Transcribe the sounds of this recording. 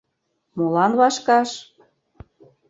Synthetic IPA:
molɑnβɑʃkɑʃ

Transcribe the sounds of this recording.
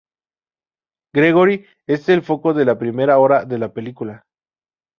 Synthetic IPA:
ɡɾeɣ̞o̞ɾi | e̞selfo̞ko̞ðe̞lapɾime̞ɾao̞ɾaðe̞lape̞likula

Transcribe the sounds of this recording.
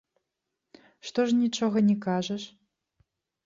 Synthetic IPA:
ʂt̪ɔʂnʲit͡ʂɔɣɐnʲɛkaʐɐʂ

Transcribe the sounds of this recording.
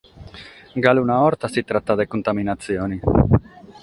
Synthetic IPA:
ɡalunaoɾt̪asit̪ɾat̪ːad̪ekunt̪aminat̪t͡sjoni

